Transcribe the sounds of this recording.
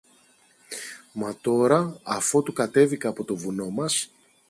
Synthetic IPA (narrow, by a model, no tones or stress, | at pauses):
mɐt̪o̞ɾɐɐfo̞t̪ukɐt̪e̞vikɐːpo̞t̪o̞vuno̞mɐs